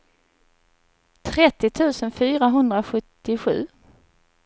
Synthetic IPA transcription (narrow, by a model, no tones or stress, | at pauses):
t̪ʰɾɛt̪ːɪt̪ʰʉ̟ːsənfyːɾaɦɵnd̪ɾaɧɵt̪ːɪɧʉ̟ː